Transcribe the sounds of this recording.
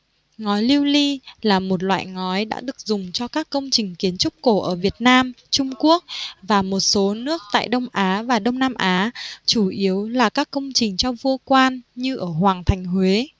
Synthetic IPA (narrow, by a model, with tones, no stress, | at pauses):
ŋɔ˨˦jli˧wli˧laː˨˩mo˨˩t̬̚lwa̰ː˧˨jŋɔ˨˦jɗa̰ː˧˥ɗɨ˨˩ək̚zʊ˨˩ŋ͡mt͡ɕɔ˧kaː˦˥kːə˧wŋ͡mt͡ɕï˨˩ŋ̟ki˨˦ənt͡ɕʊ˦˥k͡p̚ko˧˩ʔəː˧˩vi˨˩ət̚naː˧m | t͡ɕʊ˧ŋ͡mku˦˥ək̚vaː˨˩mo˨˩t̚so˨˦nɨ˦˥ək̚t̪a̰ː˧˨jɗə˧wŋ͡mʔaː˨˦vaː˨˩ɗə˧wŋ͡mnaː˧mʔaː˨˦t͡ɕu˧˩ʔi˨˦əwlaː˨˩kaː˦˥kːə˧wŋ͡mt͡ɕï˨˩ŋ̟t͡ɕɔ˧vu˧əkwaː˧nɲɨ˧ʔəː˧˩hwaː˨˩ŋt̪ʰa˨˩jŋ̟hwe˨˦